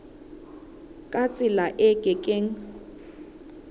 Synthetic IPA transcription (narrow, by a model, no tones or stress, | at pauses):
kʼat͡sʼɪlaʔɛkʼɛkʼeŋ̩